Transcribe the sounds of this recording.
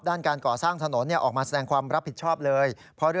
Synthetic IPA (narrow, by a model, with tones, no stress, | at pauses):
p̚daː˥˩nkaː˧nkɔː˨˩saː˥˩ŋt̪ʰa˧no˩˦nːi˥˩ɐʔɔː˨˩k̚maː˧sa˧dɛː˧ŋkʰwaː˧mɾa˦˥pʰːi˨˩t̪̚t͡ɕʰɔː˥˩p̚lɤː˧j | pʰɔ˦˥ɾɯ˥˩